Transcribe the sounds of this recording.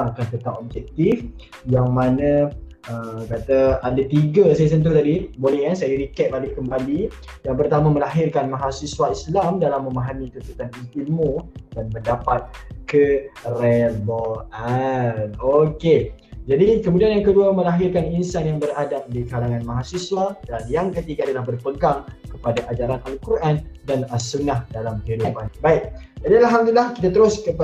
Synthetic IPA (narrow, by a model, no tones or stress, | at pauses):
ŋkant̪ət̪apɔb̚d͡ʒɛk̚t̪if | jaŋmanã | əkat̪aadat̪iɡasajas̬ənt̪̬ut̪adibolɛhkansajəɾikɛt̪̚balɪʔkəmbali | jaŋpərt̪amãməlaɦɪrkanmaɦasiswaʔ̪islamdalamːə̃maɦamit̪ənt̪ut̪anist̪imud̥anməndapat̪̚kərelboanoke | d͡ʒadikəmudianjaŋkəduamə̃laɦɪrkaninsanjaŋbəɾadap̚dikalaŋãnmãɦasiswadanjaŋkət̪iɡaːdalahbərpəɡaŋkəpadaʔad͡ʒaɾanʔalkuɾʔandansunahdalamhelubanbaik̚d͡ʒadialaɦamd̪ilahkit̪at̪əɾʊskəp